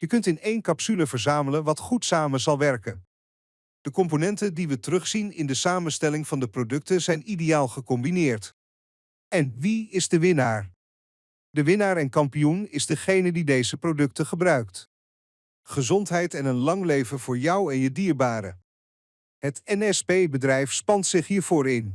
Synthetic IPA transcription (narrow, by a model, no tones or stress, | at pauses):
jəkɵntɪnejnkɑpsyləvəɹzaːmələnʋɑtχutsaːməzɑlˠʋɛɹkən | d̥əkɔmp̬onɛntədiʋətərɵχsinɪndəsaːmənstɛlɪŋvɑndəprodɵk̚təzɛjnidejaːlˠχəkɔmbinɪːɹt | ɛnʋiɪzdəʋɪnaːɹ | ddəʋɪnaːɹɛnkɑmpijunɪzdəχejnədidejzəprodɵk̚təχəbrœɥkt | χəzɔntɦɛjtɛnənlɑŋlejvənvʊːɹjʌwɛnjədiːɹbaːɾə̰ | ɦətɛnɛspejbədrɛjfspɑntsɪχɦiːɹv̥ʊːɹɪn